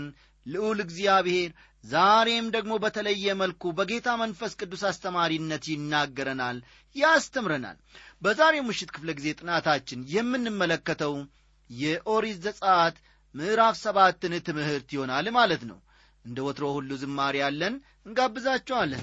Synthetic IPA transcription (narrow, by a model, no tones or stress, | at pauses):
n | lɨʔulɨɡzijaβhe̞ɾ | zaɾe̞md̪əɡmo̞bət̪ʰələjːɛməlkubəɡe̞t̪ʰamənfəskʼɨd̪ːusast̪ʰəmaɾinːət̪jɪnːaɡːəɾənal | jɪast̪ʰəmɾəna̰lbəzaɾe̞mɨʃːɪt̪kʰɨ̥fləɡize̞t̪ʼɨnat̪ʰat͡ʃːɪnjɛmːɨnːɨmːələkːət̪ʰəw | jɛʔo̞ɾizːəsʼəat̪ | mɨʔɾafsəβat̪ːɨnt̪ʰɨmɨhɨɾt̪jɪho̞nalmalət̪nə̰w | ʔɨnd̪əwɔt̪ɾo̞hulːuzɨmːaɾijalːən | ɨŋɡabːɨzat͡ʃːɛwalːə̰n